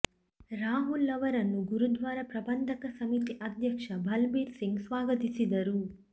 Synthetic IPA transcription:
ɾaːɦulːɐʋɐɾɐnːuɡuɾud̪ʋaːɾɐpɾɐbɐnd̪ʱɐkɐsɐmit̪iʔɐd̪ʱjɐkʂɐbʱɐlbiːɾsiŋɡsʋaːɡɐt̪isid̪ɐɾu

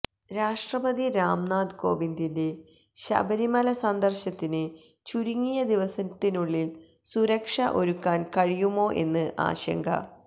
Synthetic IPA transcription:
ɾaːʂʈrɐbɐðiɾaːmnaːd̪ko̞̰ːbind̪inde̞ | ɕɐ̰bɐɾimɐlɐsɐnd̪ɐrɕɐt̪ːinɨ | t͡ɕuɾiŋːijɐd̪iʋɐsɐt̪ːinuɭːil | suɾɐkʂɐʔo̞ɾukːaːnkɐɻijumo̞ːʔe̞̰nːɨʔa̰ːɕɐ̰ŋɡʱɐ̰

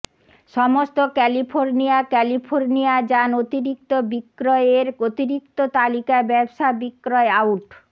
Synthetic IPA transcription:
ʃɔmost̪okɛlifʰoɾnijakɛlifʰoɾniad͡ʑanot̪iɾik̚t̪obikːɾɔeeɾot̪iɾik̚t̪ot̪alikabɛbʃabikːɾɔeawʈ

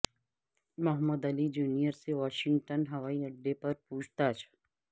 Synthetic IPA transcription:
mɐɦəmːəd̪ɐlid͡ʒuːnijəɾseʋaːʃɪ̃ŋɡʈənɦɐʋaːiɐɖːepɐɾpuːt͡ʃʰt̪aːt͡ʃʰ

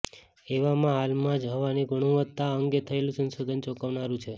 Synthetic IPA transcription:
eʋamãɦalmãd͡ʒɦəʋaniɡuɽ̃ũʋət̪ːaəŋɡet̪ʰəelũsənsod̪ʱənt͡ʃɔkaʋnaɾũt͡ʃʰe

